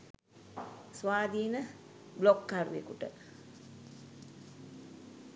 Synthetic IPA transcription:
sʋaːd̪iːnə | blokːaɾṵḛkuʈə

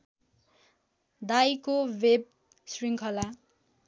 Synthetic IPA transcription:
d̪ajkoweb̚ | sriŋkʰʌla

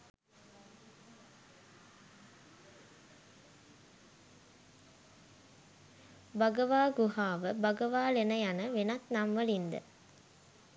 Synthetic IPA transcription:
baɡəʋaːɡuɦaːʋəbɐɡəʋaːlenəjanəʋenat̪namʋəlind̪ə̰

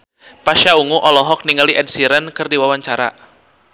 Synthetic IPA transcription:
paʃauŋuʔɔlɔɦɔk̚niŋaliʔɛd̚siɾənkɨrdiwawaɲt͡ʃaɾa̰

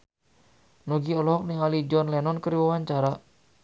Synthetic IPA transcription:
nɔɡiɔlɔɦɔk̚niŋalid͡ʒɔnlɛnɔnkəɾiwawaɲt͡ʃaɾa

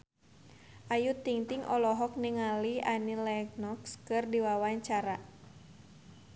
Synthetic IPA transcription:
ʔajut̪iŋt̪iŋʔɔlɔɦɔk̚niŋalianilɛknɔkskɨrdiwawaɲt͡ʃaɾa

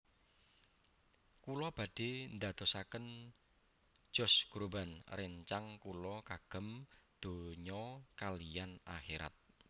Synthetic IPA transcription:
kulɔb̥a̤d̥e̤nd̪ad̪̥o̤sakən | ʒ̥ɔ̤sɡ̥ɾobanreɲt͡ʃaŋkulɔkaɡ̥ə̤md̪̥o̤ɲɔkalijana̰xeɾa̰t̪̚

